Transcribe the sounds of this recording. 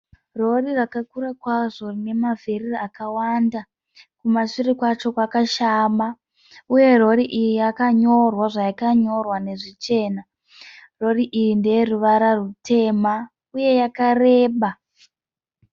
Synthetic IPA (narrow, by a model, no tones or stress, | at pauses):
ro̞rirakakurakwaʐo̞rine̞mavʱeririakawanda | kumaʂirikwat͡ʃo̞kwakaʃama | uje̞ro̞ɾiʔijijakaɲo̞rwaʐajakaɲo̞rwane̞ʐit͡ʃe̞ːna | ro̞riʔijindejeruʋaɾarutʰe̞ma | uje̞jakare̞ːɓa